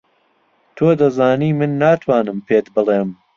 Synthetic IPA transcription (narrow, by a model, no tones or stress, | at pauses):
t̪ʰoːd̪ɐzaːniːmɨnːaːt̪ʰwaːnɨmpʰeːt̪bɨleːm